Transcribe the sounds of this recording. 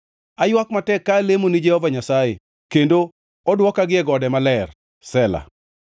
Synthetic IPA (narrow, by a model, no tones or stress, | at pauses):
ajwakmatɛkːaːlemonid͡ʒɛhɔvaɲasaje | kendo | ɔdwɔkaɡɪɛɡɔdɛmalɛr | sɛla̰